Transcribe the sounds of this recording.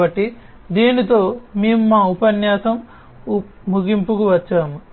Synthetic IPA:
ɐʈːi | d̪iːnit̪o̞ːmeːmumaːupɐnjaːsɐm | muɡimpukuʋɐt͡ʃːaːmu

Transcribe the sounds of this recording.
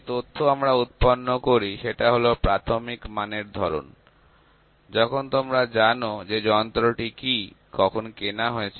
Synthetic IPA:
t̪ot̪ʰːoamɾaut̪̚ponːokoɾiʃeʈaɦolopɾat̪ʰomikmaneɾd̪ʱɔɾo̰n | d͡ʑɔkʰont̪omɾad͡ʑanod͡ʑed͡ʑɔnt̪ɾoʈiki | kɔkʰonkenaɦoet͡ɕʰ

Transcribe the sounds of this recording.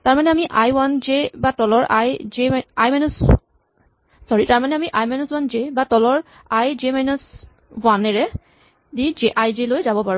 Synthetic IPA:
taɹmanɛamiʔajwand͡ʒebatɔlɔɹʔa̰jzeajmajnus | sɔɹitaɹmanɛamiʔajmanuswanzebatɔlɔɹ | ajzemajnɔs | wanɛɹɛ | did͡ʒeʔajzelojzabɔpaɹũ

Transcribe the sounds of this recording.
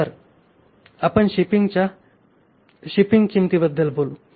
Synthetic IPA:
əɾ | apəɳɕipiŋt͡ɕa | ɕipiŋɡt͡ɕimt̪ibəd̪ːəlbʱolu

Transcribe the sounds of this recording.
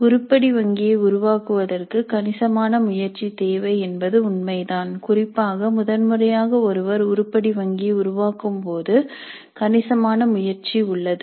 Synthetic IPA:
ʊɾʊpːɐɽiʋɐŋɡɪjɐʊɾʊʋaːkɯʋɐðɐrkɯkɐnɪsɐmaːnɐmʊjɐɾt͡ʃit̪eːʋɐɪɛnbɐðɯʊnmɐɪðaːnkʊrɪpːaːɣɐmʊðɐnmɯrɐjaːɣɐɔɾɯʋɐɾʊɾʊpːɐɽiʋɐŋɡɪjɐʊɾʊʋaːkɯmpoːðɯ | kɐnɪsɐmaːnɐmʊjɐɾt͡ʃiʊɭːɐðɯ

